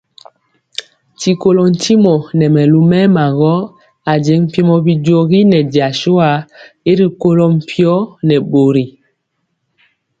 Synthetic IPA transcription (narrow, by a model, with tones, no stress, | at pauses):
ti˨ko˦lɔ˨n̩˨ti˦mɔ˨nɛ˨mɛ˨lu˦mɛ˦ma˨ɣɔ˦ | a˨d͡ʒɛ˨˦ŋm̩˦˨pi˦mɔ˦bi˨d͡ʒo˦ɣi˦nɛ˨di˨a˨ʃo˦a˨e˦ɾi˨ko˦lɔ˦m̩˨pʰjɔ˦nɛ˨ɓo˨ɾi˨